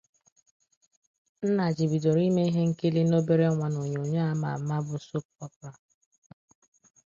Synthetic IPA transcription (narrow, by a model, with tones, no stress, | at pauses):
n̩˦na˨d͡ʒi˨bi˨do˨ɾi˦me˦i˦ɦe˦ŋ̩˦ke˦li˦no˦be˦ɾe˦ɔ˦ŋʷa˦˨no˨ɲ˨o˨ɲe˦a˦ma̰˨ma˦bʊ˦so˦p̚ɔ˦pɾa˨